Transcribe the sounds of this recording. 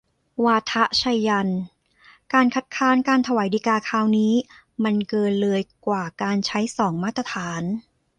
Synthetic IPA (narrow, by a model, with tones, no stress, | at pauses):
waː˧t̪ʰa˦˥ʔt͡ɕʰa˧jːa˧n | kaː˧nkʰa˦˥t̪̚kʰaː˦˥nkaː˧nt̪ʰa˧waː˩˦jdiː˧kaː˧kʰaː˧˥wniː˦˥ | ma˧nkɤː˧nlɤː˧əjkwaː˨˩kaː˧nt͡ɕʰa˦˥jsɔː˩˦ŋmaː˦˥t̪ːɾa˧t̪ʰaː˩˦n